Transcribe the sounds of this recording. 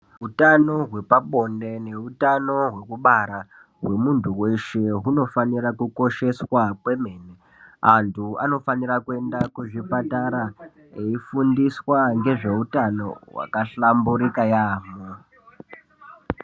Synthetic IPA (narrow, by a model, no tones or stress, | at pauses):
ɦutano̞ɦwe̞paɓo̞nde̞ne̞utano̞ɦwe̞kuɓaɾa | ɦwe̞muntʰuwe̞ʃe̞ɦuno̞fanirakuko̞ʃe̞swakwe̞meːne | antʰuano̞faniɾakue̞ndakuʐipataɾa | eifundiswaŋɡe̞ʐe̞utano̞̰wa̰kaɬambuɾikajaːmo